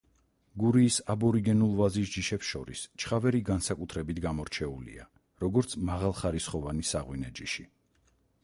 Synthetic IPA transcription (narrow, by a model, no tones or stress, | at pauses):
ɡuɾiːsabɔɾiɡɛnulˠvazis̬d͡ʒiʃɛpsʃɔ̰ɾḭst͡ʃʰχavɛɾiɡansakʼut̪ʰɾɛbit̪ʰɡamɔɾt͡ʃʰɛulḭa̰ | ɾɔɡɔɾt̪sʰmaʁalˠχaɾisχɔvanisaʁwinɛd͡ʒiʃi